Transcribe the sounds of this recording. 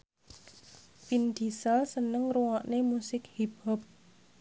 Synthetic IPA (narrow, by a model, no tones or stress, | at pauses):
pind̪isəlsənəŋɾuwɔʔnemusɪkhib̥ɔp̚